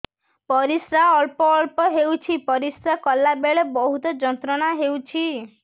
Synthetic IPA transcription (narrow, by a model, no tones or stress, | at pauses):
pɔɾisɾaɔɭpɔːɭpɔɦewt͡ʃʰipɔɾisɾakɔlːabeɭebɔɦut̪ɔd͡ʒɔnt̪ɾɔɽ̃aɦewt͡ʃʰi